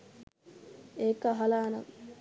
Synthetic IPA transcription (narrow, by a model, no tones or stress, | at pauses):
eːkaɦɐlaːnɐ̰ŋ